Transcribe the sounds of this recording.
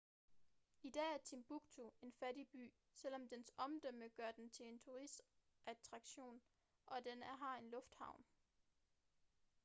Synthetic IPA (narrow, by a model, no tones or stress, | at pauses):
id̥ɛ̰ːæɐt͡sʰimb̥uɡ̥t͡sʰoe̝nfædib̥y̰ː | sel̰ɒ̽md̥ensɒ̽md̥øməɡ̥ɶɐd̥ent͡sʰe̝e̝nt͡sʰuʁisd̥ | ʔæt͡sʰʁɑ̈ɡ̥ɕo̝̰ːn | ʔɒ̽d̥enæɦɑ̈e̝nlɔ̽fd̥hɑ̈ʊ̰n